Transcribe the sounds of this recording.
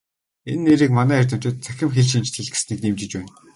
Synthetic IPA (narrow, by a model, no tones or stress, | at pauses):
enːeːɾiːkmanæːærʲt̪ə̆m̥t͡ɕɪ̆t̪̚t͡sʰæ̥xʲɪ̆mxeɮʃ̬int͡ɕt̪ʰxeɮɡɘ̆sniːkniːmt͡ɕɪ̆t͡ɕpæːn